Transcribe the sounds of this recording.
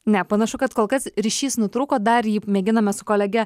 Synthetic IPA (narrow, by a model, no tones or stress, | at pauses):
nʲɛpɐnɐʃʊkɐt̪koːlˠkɐsɾʲiʃʲiːsnʊt̪ɾuːkoːd̪ɐrjiːmʲeːɡʲɪnɐmʲɛsʊkoːlʲɛɡʲɛ